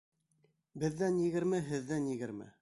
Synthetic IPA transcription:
bɘ̆ðːænjɘ̆ɡɘ̆ɾmɘɦɘ̆ðːænjɘ̆ɡɘ̆ɾmɘ̰

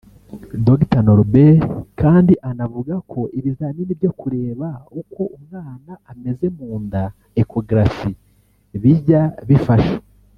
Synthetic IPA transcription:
doɡitanoɾbekaːndiʔanavuɡakʰo̞ʔiβizaːninibjo̞kuɾe̞ːβauko̞ʔumŋaːnaʔːme̞ze̞muːnda | ekʰo̞ɡɾafi | βiɟaβifaʃe̥

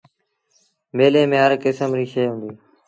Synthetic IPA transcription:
meːleːmẽːɦəɾkɪsəmɾiːʃəːɦʊ̃ːnd̪iː

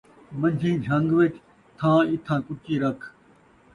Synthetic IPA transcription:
mɐ̃ɲd͡ʑĩːd͡ʒʱɐ̃ŋɡʋet͡ʃʰ | t̪ʰãːɪt̪ʰãːkʊt͡ʃiːɾɐkʰ

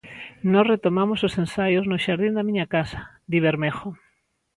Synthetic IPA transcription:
nɔsret̪omamososensajoznoʃaɾðind̪amĩɲakasḁ | d̪iβ̞eɾmexo

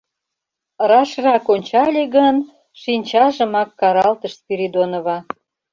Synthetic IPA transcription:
rɑʃrɑkonʲt͡ɕɑlʲeɣən | ʃinʲt͡ɕɑʒə̆mɑkːɑɾɑlt̪əʃpiɾid̪onŏβɑ

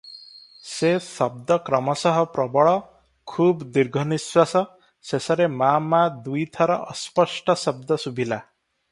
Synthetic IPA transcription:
sesɔb̚d̪ɔkɾɔmɔsɔɦɔpɾɔbɔɭɔ | kʰubd̪iɾɡʱɔniswasɔ | sesɔɾemamad̪ujt̪ʰɔɾɔɔspɔsʈɔsɔb̚d̪ɔsubʱila

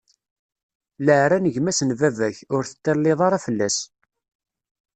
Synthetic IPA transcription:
ləʕɾænəʝmæsnvævæçʊɾθə̥t̪ːəɾlːɪðˤɑɾˤɑfəlːæs

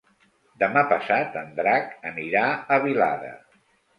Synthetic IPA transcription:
d̪əmapəsat̪ənd̪ɾakəniɾaəβila̰ðə̰

